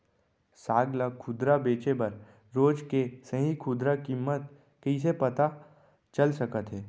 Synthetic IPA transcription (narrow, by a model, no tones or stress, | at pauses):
saːɡlakʰʊd̪ɾabeːt͡ʃebɐɾ | ɾoːd͡ʒkesəɦĩkʰʊd̪ɾakɪmːət̪ | kəis̬epɐt̪a | t͡ʃɐlsɐkət̪ɦɛː